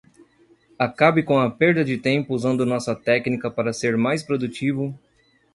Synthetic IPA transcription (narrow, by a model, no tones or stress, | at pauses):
akabɪkõɐpeɾd̪ɐd͡ʒɪt̪ẽmpʊuzɐ̃nd̪ʊnɔsɐt̪ɛknikɐpaɾɐseɾmajspɾod̪ut͡ʃivʊ